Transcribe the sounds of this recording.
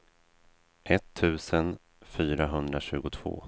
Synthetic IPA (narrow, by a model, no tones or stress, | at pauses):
ʔɛt̪ʰːʉ̟ːsən | fyːɾaɦɵnd̪ɾaɕʉ̟ːɡʊt̪ʰv̥o̰ː